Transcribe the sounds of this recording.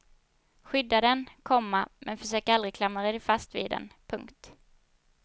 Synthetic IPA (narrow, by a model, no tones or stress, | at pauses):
ɧʏd̪ːad̪ɛnkʰɔmːamʔɛnfœʂøːkəɾalɾɪkʰlamːaɾɛd̪ɪfast̪vḭːd̪ɛ̰npʰɵŋkt̪